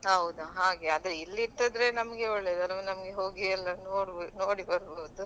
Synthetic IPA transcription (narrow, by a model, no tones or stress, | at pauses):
ɦɐwud̪uɦaːɡe̞aːd̪ɾeilːiːʈ̪ːɐd̪ɾe̞nɐmɐɡe̞ɔɭːe̞ːd̪ɐlʋɐnɐmɐɡeɦo̞ːɡiɐlːɐnoːɽnoːɽibɐɾboːd̪u